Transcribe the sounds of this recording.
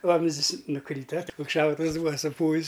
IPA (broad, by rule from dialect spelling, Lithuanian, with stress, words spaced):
ˈʋɐmʲzʲdʲɪs nʊˈkrʲiːtɐ oːt koːks ˈʃɐʊtʊws ˈbuːʋɐ sʊˈpuːʋʲɪs